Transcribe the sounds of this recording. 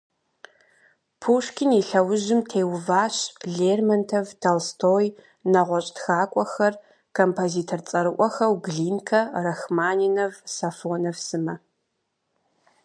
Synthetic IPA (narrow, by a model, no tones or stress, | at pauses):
pʰuːʂkʲʰɪniɬɐwʊʑɪmtʰeːwvaːɕɮeːrmɐntʰɐvtʰɐlstʰoːj | nɐʁʷɔɕʼtxaːkʷʼɔxɐr | kʰompʰoziːtʰɐrt͡sʼɐɾɨʔʷʼɔxɐwɡɮiːnkʰɐrɐxmaːninɐvsafoːnɐvsɨmɐ